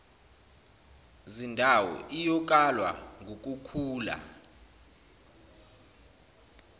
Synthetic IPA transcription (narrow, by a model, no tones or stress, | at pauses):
zindʱawɔ̰ʔijɔk̬ʼalwa̰ŋɡʱok̬ʼukʰuːla̰